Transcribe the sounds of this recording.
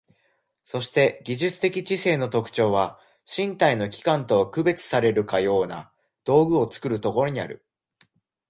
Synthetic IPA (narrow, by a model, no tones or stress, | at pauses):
so̞ɕi̥t̪e̞ɡʲiʑɨt͡sɨ̥t̪e̞kʲit͡ɕise̞ːno̞t̪o̞kɯ̟̥t͡ɕo̞ːβa | ɕĩnt̪aino̞kʲi̥kãnt̪o̞akɯ̟be̞t͡sɨ̥saɾe̞ɾɯ̟kajo̞ːna̰ | d̪̥o̞ːɡɯ̟o̞t͡sɨ̥kɯ̟ɾɯ̟t̪o̞ko̞ɾo̞ɲ̟ia̰ɾɯ̟̰